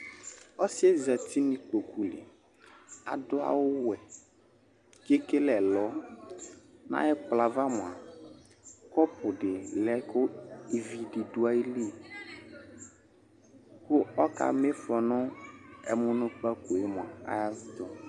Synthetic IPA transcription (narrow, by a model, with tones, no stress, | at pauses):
ɔ˦sɪ˦ɛ˦za˨ti˦nɪ̃˨k͡po˨ku˨lɪ̰˨ | a̰˨dʊ˦a̰˦˨wʊ˦wɛ˨ | ke˦ke˦lɛ˨lɔ˦ | nã̰˦ɛ˦k͡pla˨va˦mʊ˨a˨ | kɔ˦pʊ˨ɖɪ˨lɛ˦kʊ˦i˨vi˨dɪ˨dʊ˦a˦i˦li˦˨ | kʊ˦ɔ˦ka̰˨me˦fɔ˨nʊ̃˦ɛ̰˨mʊ˦nʊ̃˦k͡pa˦ko˨e˦mʊ̃˨a̰˨a̰˨ja˦vɪ˦d̪ɔ˨